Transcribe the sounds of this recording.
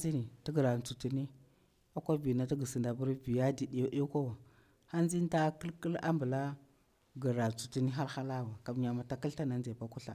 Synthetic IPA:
zi˦ni˨ti˦ɡə˨ɾa˨n˨t͡su˨ti˨ni˦ | a˦kʷa˦vi˨na˦ta˦ɡə˨si˨nda˨bu˦ɾvi˨ja˦di˨di˨jʔi˦ka˦wa˨ | ha˦nzi˦n˦ta˦kə˦lkə˦la̰˦mbə˨la˦ | ɡə˨ɾa˨t͡su˨ti˨ni˦ɦa˦ɾxa˦la˦wa˨ka˨m˨ɲa˨ma˨ta˦ki˦lta˦na˨nd͡ʒe˨ba˦ku˦ɬa̰˨

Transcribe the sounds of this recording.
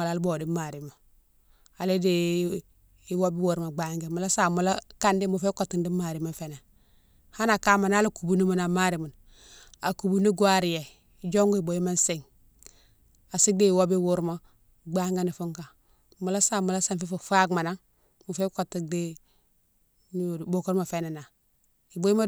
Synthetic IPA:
a˨la˨˦lbo˨di˦ma˨ɾi˨ma˨ | a˨le˦di˨ | i˨wo˦bi˦wu˨ɾma˨ɡ͡ba˦ŋɡe˦˨mu˨la˦sa˨mu˨la˦ka˦ndi˦mu˨fe˦ko˨tːi˨ndi˦ma˨ɾi˨ma˦fe˨na˨ | ha˦na˨ka˦ma˨na˦lu˦ku˨bu˦ni˦mu˨na˨ma˦ɾi˨mu˨n | a˨ku˨bu˦ni˦ɡwa˦ɾi˨je˨ | d͡ʒo˦ŋɡu˦i˨bo˨ji˦ma˦n˦si˦ŋ | a˨si˦di˦i˨wo˦bi˦wu˦ɾma˦ | ɡ͡ba˦ŋɡe˦ni˨fu˦ŋka˨ | mu˨la˦sa˨mu˨la˦sa˦˨nfi˦fu˨fa˦ɡma˨na˦ŋ | mu˨fe˦ko˨tːi˨di˦ | ni˦˨bo˨ko˦ɾma˨fe˦ne˨na˨ | i˨bo˦ji˦ma˦

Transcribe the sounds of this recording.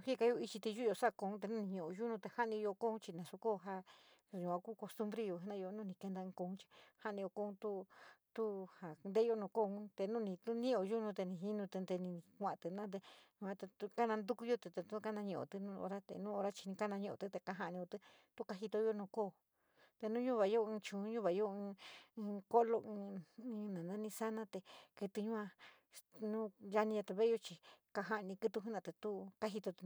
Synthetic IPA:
hi˦ka˧˦jo˧i˧t͡ʃi˧t̪i˧ju˦˧o˧sa˦˧ko˧ũ˦t̪̬e˧nũ˦nĩ˧ɲũ˧ʔo˧ʒu˦nũ˧t̪e˧ha˦˧nĩ˧jo˧ko˦ũ˦t͡ʃi˧nã˨su˧koː˦˨˧ɦa˧˨ɲũ˨ã˧ku˦ko˧st̪u˦mbɾe˧jo˧˨ɦa˧˦nã˦˧jo˧nũ˦nĩ˧ke˧nd̪ã˧˦ko˧ũ˦t͡ʃi̥˧ha˦˧nĩ˧jo˧ko˧˦ũ˦t̪u˦t̪u˦ha˨˧nd̪e˦˧o˦nũː˧ko˦˧ũ˦t̪e˧nũ˦˧nĩ˧t̪u˦nĩ˦o˧ʒu˦nũ˧t̪e˧nĩ˧˨ɦi˦nũ˧t̪e˧nd̪e˧nĩ˧kʷã˨˧t̪ɨ˧nã˦t̪̬e˧ɲũ˧ã˧t̪e˧t̪u˧ka˦nã˧nd̪u˦ku˧jo˦t̪e˧t̪e˧t̪u˦˧ka˦nã˧ɲĩ˧˨o̰˨t̪ɨ˧nũ˦o̰˧ɾa˦t̪ḛ˧nũ˦o˧ɾa˦t͡ʃi̥˧nĩ˧ka˦nã˧ɲũ˧ʔõ̰˨t̪ɨ˦t̪e˧ka˧˦ɦa˧ʔnĩ˧o˧t̪ɨ˦ | t̪u˦ka˧ɦi˧t̪o˧jo˦˧nũː˧koː˦˨ | t̪e˧nũ˦ɲũ˦βa˨jo˦ɨ̃ː˧t͡ʃũ˨˦ɲũ˦βa˨˧jo˦ɨ̃ː˧ | ko˦lo˧ɨ̃ː˧nã˨nã˦nĩ˧sa˦nã˦t̪e˧kɨ˧t̪ɨ˧ɲũ˦ã˧ | nũː˦ja˧nĩ˧ja˧t̪e˧βe˦jo˧t͡ʃi˧ka˧ɦa˧ʔnĩ˧kɨ˧t̪u˧ɦũ˦nã˧t̪e˧t̪u˦ka˦ɦi˧t̪o˧t̪

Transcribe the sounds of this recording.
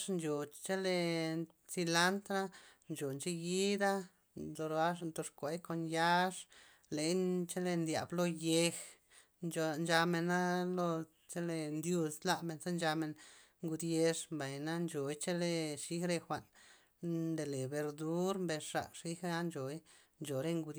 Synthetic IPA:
ʂnt͡ʃo˨t͡ʃe˦le˧ | si˧la˦nt̪na˦ | nt͡ʃo˨nt͡ʃe˧ɡi˦d̪a˦ | t̪o˧ɾa˦ʂnt̪o˧ʂkʷe˨˦jko˧nja˦ʂ | le˨˦jt͡ʃe˦le˧nd̪ja̰˨blo˧je˧x | no˨nd͡ʒa˧me˨na˦lo˧ | t͡ʃe˦le˧nd̪ju˧sla˧˨me˨nsa˦nd͡ʒa˧me˧n | ŋɡu˧d̪je˧ʂmba˨jna˦nt͡ʃo˨jt͡ʃe˦le˧ʂi˦xɾe˧xʷa˨n | nd̪e˨le˨be˧ɾd̪u˦ɾmbe˧ʂʂa̰˨ʂi˦xa˦nt͡ʃo˨j | nt͡ʃo˨ɾe˦˧ŋɡu˧d̪

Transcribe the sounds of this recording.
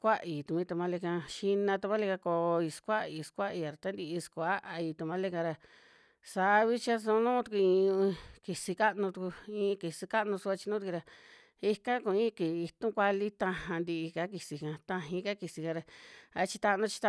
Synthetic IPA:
kʷa˦ʔi˨t̪u˧˨mĩ˧t̪ũ˧mã˧le˧kã˧ʃi˧nã˧t̪̬u˧mã˦le˧ka˧ko˧i˧skʷa˦i˧skʷa˦ʔi˧a˨ɾa˨t̪a˦nd̪i˧i˧skʷa˦ʔa˧i˧t̪ũ˧mã˦le˧kã˧ɾa˧ | sa˨˦˧βi˦t͡ʃa˦s̬õ˧nũː˦t̪u˧ku˧ĩ˧ki˨si˧ka˦ʔnũ˧t̪u˧ku˧ĩː˧ki˨si˧ka˦ʔnũ˧su˧a˧t͡ʃi˧nũ˦t̪ɾa˧ | i˧kã˦kũ˧ĩ˦˧ki˨i˧t̪ũ˦kʷa˧li˦t̪ã˧hã˧nd̪i˧i˧ka˦ki˧si˧kã˧t̪ã˧ɦĩ˧˦ka˦ki˨si˧kã˧ɾa˧a˧t͡ʃi˧t̪a˧nũ˧t͡ʃi̥˧t̪a˧

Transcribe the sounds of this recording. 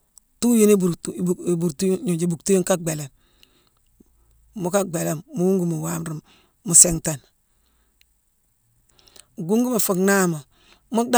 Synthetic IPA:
tu˦ji˦ni˦bu˨ɾbu˨ɾtu˦ɲu˨d͡ʒi˨bu˨ktu˦ju˦ŋka˦ɡ͡be˨le˨m | mu˦ka˦ɡ͡be˨le˨mmu˦wu˦ŋɡu˦mu˨wa˨mɾi˨m | mu˨se˨ŋta˨n | ɡu˦ŋɡu˦ma˨fu˨kna˦mo˨ | mu˦da˦

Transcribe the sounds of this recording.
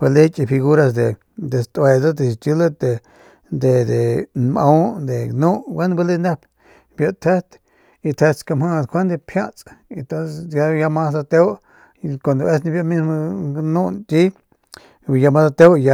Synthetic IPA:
be˧le˦t͡ʃʼi˧fi˧ɣu˦ɾa˧sd̪e˨ | d̪e˨st̪ʼwe˧d̪o˦d̪e˨st͡ʃ̪u˦le˦t̪e˨ | d̪e˨d̪e˨nmã̰˦d̪e˨nũ˦ʔwe˦nbe˧li˦ne˦p | bjo˧t̪ʰe˦t̪ | i˧t̪ʰe˧t̪ska˧mhã˦˧kʰʷe˦nd̪e˧pʰjã˦t͡sʼe˨t̪o˦sesja˧ja˧mã˦sd̪a˧t̪e˦w | kʷa˨nd̪o˧e˦snĩ˧bjo˦˧mi˦smo˧nũ˦nt͡ʃ̪i˦˧ | ja˧mã˧sa˧t̪e˦wja˧

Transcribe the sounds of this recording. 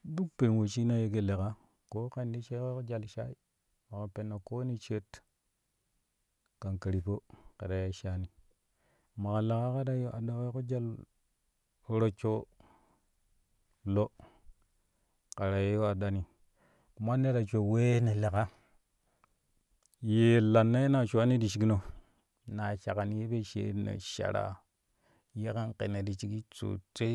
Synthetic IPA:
du˦k̚pe˨n˨wo˨t͡ʃi˦na˦je˦k̬e˦le˨ka˦ | ko˦ke˦ndi˦t͡ʃe˦ke˦ko˦d͡ʒa˦˨lʃa˦i˦ | ma˨ka˨pe˨nːa˨ko˦ni˦t͡ʃe˦t | ka˨nka˨ɾi˨po˦ka˨da˨ja˦ʃa˦ni˨ | ma˨ka˨la˨ka˦ka˦da˦jo˦a˨da˨ke˦ko˦d͡ʒa˦l | o˦ɾo˦t͡ʃo˦ | lo˦ | ka˨ɾa˨je˦jo˦a˨da˨ni˨ | ku˨ma˦nːe˦ɾa˨t͡ʃo˨we˦ne˨le˨ka˦ | je˨la˨nːa˦je˦na˨ʃu˨a˦ni˦di˨ʃi˨ɡi˦no˨ | na˨ʃa˨ka˨ni˦je˦be˦ʃḛ˨˦nḛ˨ʃa̰˨ɾa̰˨ | je˦ka˦nkḛ˨ne˨di˨t͡ʃi˦ɡi˦t͡sṵ˨t͡se˦

